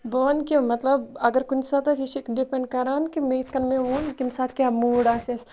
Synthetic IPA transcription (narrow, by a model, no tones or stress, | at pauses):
boːnkimɐt̪lɐbɐɡəɾkʊnsat̪ɐsiʃikɖipẽɳɖ̚kɐɾaːnkimeit̪kɐnmẽʋunkimsaːt̪̚kʲaːmuːɖaːkses